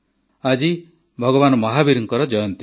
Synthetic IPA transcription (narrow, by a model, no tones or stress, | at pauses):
ad͡ʒi | bʱɔɡɔbanɔmɔɦabiɾuŋkɔɾɔd͡ʒɔjɔnt̪i